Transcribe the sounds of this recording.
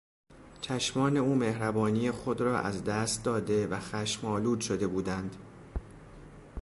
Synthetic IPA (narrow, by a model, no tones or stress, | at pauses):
t͡ʃʰæʃmɒːne̞uːme̞hɾæbɒːniːjexo̞d̪rɒːʔæzd̪æst̪̚d̪ɒːd̪e̞væxæʃmɒːluːd̪ʃo̞d̪e̞buːd̪ænd̪̥